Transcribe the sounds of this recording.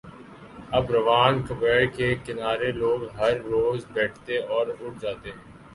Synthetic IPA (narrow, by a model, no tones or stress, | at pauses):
ɐbɾɐʋaːnkəbɛːɽkekɪnaːɾeloːɡɦɐɾːoːzbɛːʈʰt̪eɔːɾʊʈ̚ʰd͡ʒaːt̪eɦɛ̃ː